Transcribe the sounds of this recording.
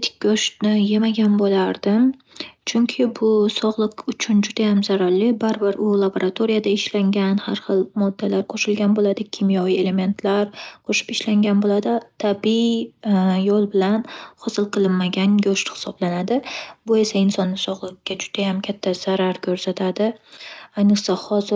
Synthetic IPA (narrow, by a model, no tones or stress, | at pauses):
t̪ʰɪ̥k̚ʲɡʲɵʃt̪nɪjemaɡʲanbolaɾd̪ɪm | t͡ʃʰʊŋkʲʰɪbʊsɒʁlˠɨqʊt͡ʃʰʊnd͡ʒʊd̪ajamzaɾallːɪbaɾbɪɾʊlˠaboɾʔat̪ʰoɾijad̪aɪʃlaŋɡʲanhaɾχɨlˠmɒd̪ːalaɾqʰoʃɪlɡʲanbolad̪ɪkʲʰɪmjɒjɪe̞le̞me̞nt̪ʰlaɾqʰoʃɪ̥pɪʃlaŋɡʲanbolad̪ɪt̪ʰabi | jolˠbɪlanhɒsɪlˠqʰɨlˠɪnmaɡʲanɡoʃhɪ̥sɒblanad̪ɪbʊe̞saɪnsɒnːɪsɒʁlˠɪqːʲad͡ʒʊd̪̥ajamkʲʰat̪ʰːaz̥aɾaɾkʲʰɵɾsat̪ʰad̪ɪajnɨqsahɒzɪ